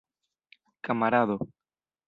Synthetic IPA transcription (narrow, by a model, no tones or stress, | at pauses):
kamaɾaðo